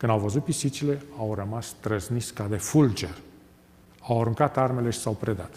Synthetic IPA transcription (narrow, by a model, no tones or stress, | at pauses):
kɨnd̪awvəzut̪̚pisit͡ʃile̞awɾəmast̪ɾəzniskad̪e̞fuld͡ʒe̞r | awaɾuŋkat̪arme̞le̞ʃi̥sawpɾe̞d̪at̪